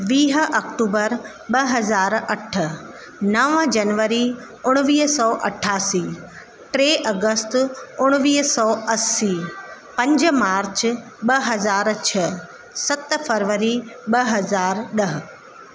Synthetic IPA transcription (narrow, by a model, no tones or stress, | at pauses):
ʋiːɦʔɐkʈuːbəɾ | ɓɐɦɐzaːɾɐʈʰːə̆ | nɐʋə̃d͡ʑɐnʋəɾi | ʊɽ̃ʋiːɦsɔːʔɐ̰ʈʰaːsiː | ʈɾeːʔɐɡəst̪ʊɽ̃ʋiːɦsɔːʔɐsiːpɐ̃ɲd͡ʑmaːɾt͡ɕ | ɓɐɦɐzaːɾt͡ɕʰə | sɐt̪fɐɾʋəɾiɓɐɦɐzaːɾɗɐɦə̆